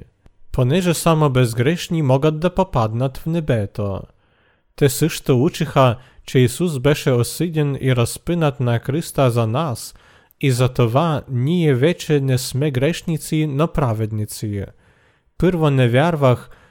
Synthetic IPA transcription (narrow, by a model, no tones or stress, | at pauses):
pɔnɛʐɛsamɔbɛzɡɾɛʂɲʲimɔɡad̪̚d̪apɔpad̪nat̪ʲvnɛbɛt̪ɔ̰ | t̪ɛsɨʂt̪ɔut͡ʃɘxat͡ʃɛisuzbɛʃɛɔsɨd͡ʑɛniɾɔspɨnat̪nakɾɨst̪azanas | izat̪ɔvaɲʲijɛvʲɛt͡ʃɛnʲɛsmɛɡɾɛʂɲʲit̪sinɔpɾavʲɛd̪ɲʲit̪si | pɨɾvɔnɛvʲjaɾvax